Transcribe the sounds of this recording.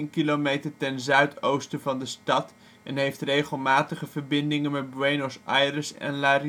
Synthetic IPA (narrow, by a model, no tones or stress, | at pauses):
nkilomejtəɹtɛnzœɥtowstəvɑndəstɑt | ɛnɦejftrejχəlˠmaːtəχəvəɹbɪndɪŋənmɛt̚bɹejnɔsajrəsɛ̰nlaːri